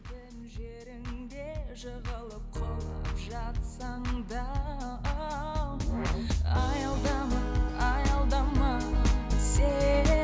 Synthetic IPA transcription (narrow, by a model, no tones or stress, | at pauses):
dɪnʒeɾɪŋd̪eʒəʁəlˠəp̚qʰolˠəpʒɑt̪sɑɴd̪ɑ | ɑjɑlˠd̪ɑmɑjɑlˠd̪ɑmɑ | se